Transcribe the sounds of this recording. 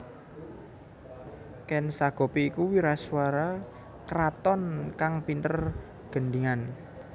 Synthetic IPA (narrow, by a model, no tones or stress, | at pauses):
kɛnsaɡ̥ɔ̤piːkuwiɾaswaɾa | kəɾat̪ɔnkaŋpint̪ər | ɡ̥ə̤ɳɖiŋan